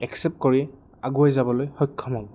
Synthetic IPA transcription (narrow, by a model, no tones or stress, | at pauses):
ɛksɛp̚t̚koɹiɛ | aɡuajzabɔlojxɔkʰːɔmɔŋ